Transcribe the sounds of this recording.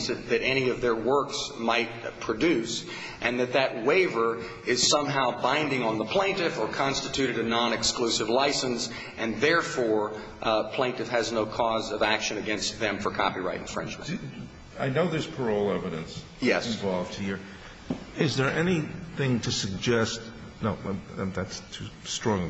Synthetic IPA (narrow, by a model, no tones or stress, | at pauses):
sɨt̪̚ðɨɾɛñiʌvðə˞wɜ˞ksmaɪt̚pʰɹ̥ɨdʉs | ʔɨ̃nðɨt̪̚ðɨt̚weɪvə˞ | ɪz̥sʌ̃mɦaʊbãɪ̃ndɪ̃ŋə̃nðəpʰl̥ẽɪ̃ntɪfə˞kʰɑ̃nstɨtʰʉɾɨɾɨnɑ̃nɨksklʉsɨvlaɪsɨ̃ns | ʔɨ̃nðɛɹfɔɹ | pʰl̥ẽɪ̃ntɨfhɨznoʊkʰɔzʌvækʃɨ̃nɨɡɛ̃nst̪̚ðɨ̃ɱfə˞kʰɑ̰piɹaɪɾ̰̃n̩fɹɛ̰̃nd͡ʒɹ̰ | aɪnoʊðɪ˞z̥pʰə˞oʊlˠɛvɨɾɨ̰̃ns | jɛsɪ̃ɱvɑlˠvd̥̚hiɹ | ɪzðə˞ʔɛniθɪ̃ŋtʰɨsɨɡ̚d͡ʒɛst | noʊðætstʰʉstɹ̥ɔ̃ŋ